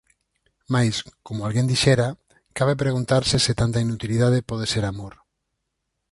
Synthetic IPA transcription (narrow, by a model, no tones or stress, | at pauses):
majskomʊalɣend̪iʃɛɾa | kaβep̬ɾeɣunt̪aɾsɪsɪt̪ant̪ɐinut̪iliðað̞epɔð̞eseɾamoɾ